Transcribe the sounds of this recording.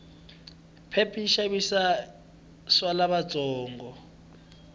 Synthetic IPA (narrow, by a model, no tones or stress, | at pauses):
pʰepʰiʃaβisa | swalaβḁt͡sʼɔːŋɡɔ